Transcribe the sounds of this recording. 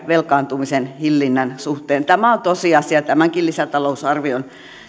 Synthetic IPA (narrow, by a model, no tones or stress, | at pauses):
ʋelkɑːnt̪umisenhilːinːænsuht̪eːnt̪æmæont̪osiɑsiɑt̪æmæŋkilisæt̪ɑlousɑrʋion